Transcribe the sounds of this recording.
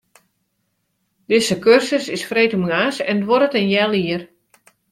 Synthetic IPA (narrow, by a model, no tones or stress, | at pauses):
d̥ɪsəkørsəsɪsfreːtumŋaːsɛndʋɔɾətənjɛlˠiər